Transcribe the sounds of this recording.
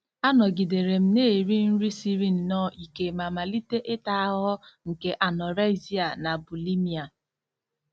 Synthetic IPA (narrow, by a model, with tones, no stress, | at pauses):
a˦nɔ˨ɡi˨de˨ɾe˨m̩˦ne˦˨ɾi˦n̩˦ɾi˦si˦ɾi˦n̩˨nɔ˦˨i˨ke˨ma˨ma˨li˦te˦ʔe˦ta˨a˦ɦɔ˦ŋ̩˨ke˦ʔa˨nɔ˨ɾa˦ɪ˦zi˦a˨na˨bu˨li˦mi˦a˨